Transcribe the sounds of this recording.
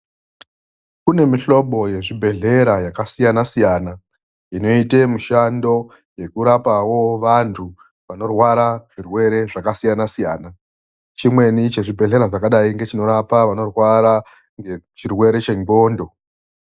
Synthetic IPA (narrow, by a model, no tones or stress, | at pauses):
kune̞miɬo̞ɓo̞je̞ʐibʱe̞ɮe̞ɾajakasijanasijana | ino̞ite̞muʃando̞ | je̞kuɾapawo̞ʋantʰu | ʋano̞rwaɾaʐ̥irwe̞ɾe̞ʐakasijanasijaːna | t͡ʃimwe̞nit͡ʃe̞ʐibʱe̞ɮe̞ɾaʐakaɗaiŋɡe̞t͡ʃino̞ɾapaʋano̞rwaɾa | ŋɡet͡ʃirwe̞ɾe̞t͡ʃe̞ŋɡo̞ːndo̞